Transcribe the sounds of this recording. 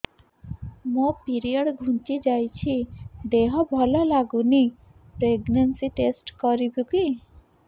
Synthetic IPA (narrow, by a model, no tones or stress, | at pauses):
mõpiɾijəɽɡʱũnt͡ʃid͡ʒajt͡ʃʰid̪eɦɔbʱɔlɔlaɡuni | pɾeɡnənsiʈesʈkɔɾibʱuki